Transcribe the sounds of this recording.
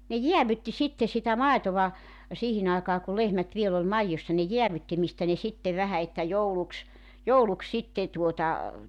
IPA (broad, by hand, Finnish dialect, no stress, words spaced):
ne jiæʋytːi sitːe sitæ mɑetoʋɑ siːhin ɑekɑː ku lehmæt ʋiel ol mɑijːosːɑ ne jeæʋytːi mistæ ne sitːeʋ ʋæhæ etːæ jouluks jouluks sitːe tuotɑ